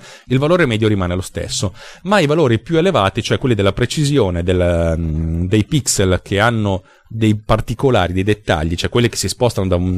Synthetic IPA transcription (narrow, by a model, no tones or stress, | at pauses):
ilvaloːɾemɛːd̪joɾimaːnelost̪ḛsːomaijvaloːɾipjuelevaːt̪it͡ʃoɛkːwelːid̪elːapɾet͡ʃizjoːned̪elː | d̪ejpikselkʰeanːo | d̪ejpart̪ikola̰ːɾid̪ejd̪et̪ːa̰ʎːit͡ʃoɛkːwelːike̥sːispɔst̪anod̪aun